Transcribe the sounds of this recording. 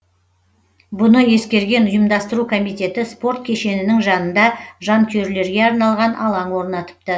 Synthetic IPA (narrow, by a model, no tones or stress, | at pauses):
bʊnəje̞skʲe̞ɾɡʲe̞nʊjəmd̪ɑst̪əɾukʰo̞mijt̪e̞t̪ɪspo̞ɾt̪̚kʲʰe̞ʃe̞nɪnɪŋʒɑnənd̪ɑʒɑnk̪ʲʰøɾle̞ɾɡʲe̞ɑɾnɑlˠʁɑnʔɑlˠɑŋwo̞ɾnɑt̪ə̥p̚t̪ə